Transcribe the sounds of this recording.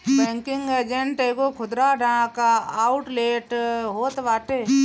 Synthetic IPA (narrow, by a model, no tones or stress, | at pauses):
bɛ̃ːŋkɪŋɡed͡ʒeɳʈeːɡokʰʊd̪ɾaɖãkaaːʊʈleːʈɦoːt̪ʋaːʈe